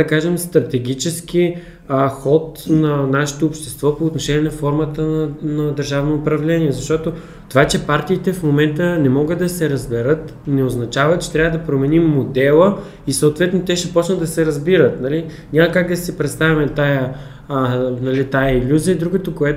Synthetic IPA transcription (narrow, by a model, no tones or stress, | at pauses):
ɐkaʒɛmst̪ɾɐt̪ɛɡʲit͡ʃɛsk̟i | xɔt̪nɐnaʃɛ̥t̪oːpʃt̪ɛst̪vɔpoːt̪noʃɛnʲiɛnɐfɔɾmət̪ənɐd̪əɾʒavnoːpɾɐvlɛnʲiɛzɐʃt̪ɔt̪o | t̪ovat͡ʃɛpaɾt̪iːt̪ɛfmomɛnt̪ənɛmɔɡəd̪d̪ɐsɛɾɐzbɛɾɤt̪nɛoznɐt͡ʃavət͡ʃɛ̥t̪ɾʲavəd̪ɐpɾomɛnimːod̪ɛlˠə | isoot̪vɛt̪not̪ɛʃɛpɔt͡ʃnəd̪ɐsɛɾɐzbiɾət̪nɐli | ɲʲamɐkak̚d̪ɐsipɾɛt̪st̪avʲimɛt̪ajə | nɐlit̪ajəilʲuziəid̪ɾuɡot̪okoɛ